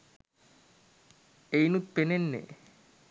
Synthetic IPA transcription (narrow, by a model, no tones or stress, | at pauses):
ejnut̪̚penenːḛ